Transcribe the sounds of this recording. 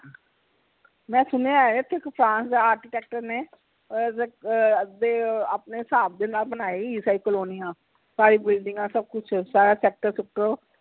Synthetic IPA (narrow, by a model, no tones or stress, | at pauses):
mɛ̃ːsʊneaːet̪ʰɪkpʰɾãːnsd̪aaːɾkɪʈɛːk̚ʈəɾneː | d̪eːaːpneːsaːb̚d̪eːnaːlbənaːeiːsaːɪkəlɦoːniãː | saːɾiːbɪlɖɪ̃ŋɡãːsəb̚kʊt͡ʃʰsaːɾaːsɛːk̚ʈəɾsɪk̚ʈəoː